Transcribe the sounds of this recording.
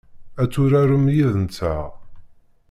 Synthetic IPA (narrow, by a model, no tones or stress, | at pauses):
æt͡sːʊɾæɾəmjiðənt͡sːa̰ʁ